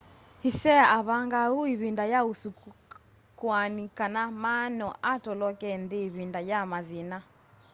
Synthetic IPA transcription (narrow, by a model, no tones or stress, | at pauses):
hisɛaaβaŋɡauiβindajausu | kwanikanamanɔʔatɔlɔkɛndeːβindajamaðina